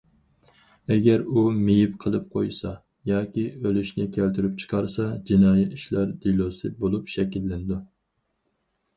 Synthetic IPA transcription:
ɛɡʲɛɾumejipqʰəlˠɨp̚qʰo̰jsɑ | jɑːkʲiølyʃnɪkʲʰælt̪yɾypt͡ʃʰə̥qʰɑɾsɑd͡ʒinɑːjiiʃlæɾd̪ilˠosɨbolˠupʃɛkʲilːɪnɪd̪u

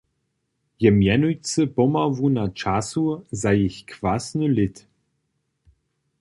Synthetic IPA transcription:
jɛmjɛnujt͡səpɔmavunat͡ʃasuzajeçkvasnɨlɪt̪

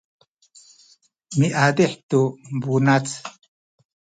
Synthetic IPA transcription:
miʔad̪iħt̪umbunat͡s

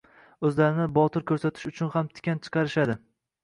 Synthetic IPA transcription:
ɵzlaɾɪnɪbɒt̪ʰɪɾkʲʰɵɾsat̪ʰɪ̥ʃʊt͡ʃʰʊnhamt̪ʰɪ̥kʲant͡ʃʰɨ̥qʰɑɾɪʃad̪ɪ

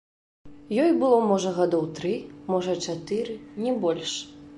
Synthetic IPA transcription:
jɔjbɨlˠɔmɔʐɐɣad̪ɔwt̪ɾɨmɔʐɐt͡ʂat̪ɨɾɨnʲɛbɔlʲʂ

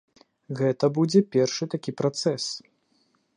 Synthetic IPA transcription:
ɣɛt̪ɐbud͡zʲɛpʲɛrʂɨt̪akʲipɾat̪sɛs

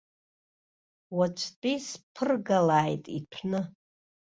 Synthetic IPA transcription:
wat͡ʃʷʰtʼispʰɨrɡalaːjtʼitʷʰnɨ

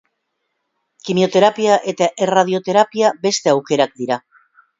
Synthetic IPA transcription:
kimjot̪eɾapjaʔet̪eerað̞jot̪eɾapjabest̪eawkeɾak̚d̪iɾa

